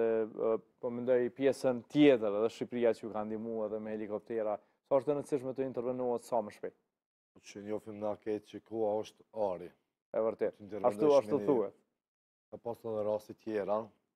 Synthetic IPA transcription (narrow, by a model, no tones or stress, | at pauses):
ɛpɔmɛnd̪ɔjpjɛsənt̪jɛt̪əɾɛðɛʃipɾijat͡ʃəəkand̪imuaɛðɛmɛhɛlikɔp̚t̪ɛɾa | sɔɔʃt̪ɛnəsiʃmɛt̪əint̪ɛɾvɛnuɛt̪saməʃpɛ | ɔt͡ʃənjɔfimnakɛt̪t͡ʃəkɔaɔʃt̪aɾi | ɛvəɾt̪ɛt̪int̪ɛɾvaɛd̪uaʃt̪uθuɛt̪̚ | apasɔnəɾast̪it̪jɛɾa